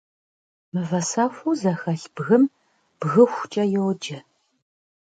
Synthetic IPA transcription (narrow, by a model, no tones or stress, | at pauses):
mɨvɐsaːxʷuzɐxɐɬb̥ɣɨm | b̥ɣɨxʷt͡ʃʼɐjɛwd͡ʒɐ